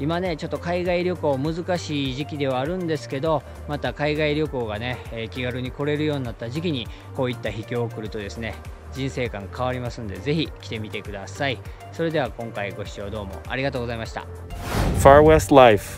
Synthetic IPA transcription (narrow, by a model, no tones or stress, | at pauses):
imane̞t͡ɕo̞t̪ːo̞kaiɡaiɾʲjo̞ko̞ːmɯ̟zɨkaɕiːʑikʲid̪e̞β̞aːɾɯ̟̃nd̪e̞sɨ̥ke̞d̪o̞ | mat̪akaiɡaiɾʲo̞ko̞ːɡane̞ːkʲiɡaɾɯ̟ɲ̟iko̞ɾe̞ɾɯ̟jo̞ːɲ̟inat̪ːaʑikʲiɲ̟i | ko̞ːit̪ːaçikʲo̞ːkɯ̟ɾɯ̟t̪o̞d̪e̞sɨne̞ | d͡ʑĩɰ̃se̞ːkãŋkʰaβ̞aɾʲimasɨnod̪e̞ze̞çikʲi̥t̪e̞mʲit̪e̞kɯ̟d̪asai | so̞ɾe̞d̪e̞β̞akõ̞ŋkaiɡo̞ɕi̥t͡ɕo̞ːd̪o̞ːmo̞̰ʔa̰ɾʲiɡat̪o̞ːɡzaimaɕi̥t̪a̰ | faɹwɛstlaɪf